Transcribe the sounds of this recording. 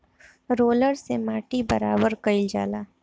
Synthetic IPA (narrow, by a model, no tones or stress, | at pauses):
ɾoːləɾsemaːʈibɐ̰ɾaːbəɾkəɪld͡ʒa̰ːlaː